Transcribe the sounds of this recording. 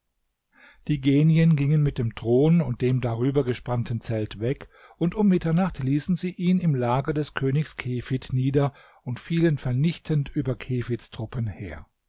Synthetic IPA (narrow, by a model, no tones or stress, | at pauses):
d̥iːɡeːnjənɡɪŋənmɪt̚d̥eːmtʁ̥oːnʊnt̚d̥eːmdaʁyːbɐɡəʃpantn̩t͡sɛltv̥ɛk | ʔʊntʊmːɪtɐnaχtliːsn̩ziːʔiːnɪmlaːɡɐdɛskʰøːnɪçskʰeːfɪtniːdɐ | ʔʊntfiːlənfɛɐnɪçtʰəntʔyːbɐkʰeːfɪstʁ̥ʊpənheːɐ